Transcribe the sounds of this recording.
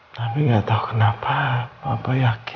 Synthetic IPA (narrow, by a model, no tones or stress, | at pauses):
t̪apiŋɡaʔt̪aukənapʰapapajaki